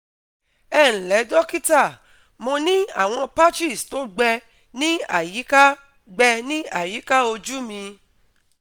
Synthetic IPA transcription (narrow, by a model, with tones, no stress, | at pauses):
ɛ˦˨ñ̩˨lɛ˨˦dɔ˦ki˦ta˦˨ | mõ˧nĩ˦a̰˦˨w̃ɔ̃˧pa˦t͡ʃi˦˨sto˨˦ɡ͡bɛ˧ | nĩ˦a̰˦˨ji˨˦ka˦ | ɡ͡bɛ˧nĩ˦a˦˨ji˨˦ka˦o˧d͡ʒu˦mĩ˧